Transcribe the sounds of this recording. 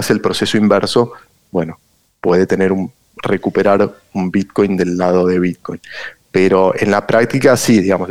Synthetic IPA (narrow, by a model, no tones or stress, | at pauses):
selpɾo̞se̞soimbeɾso̞ | bwe̞no̞ | pwe̞ð̞e̞t̪ene̞ɾum | re̞kupe̞ɾaɾ | umbit̪̚ko̞jnd̪e̞lːaðo̞ðe̞β̞it̪̚kojnpeɾo̞ḛnlapɾʔak̚t̪ikasiðiɣamos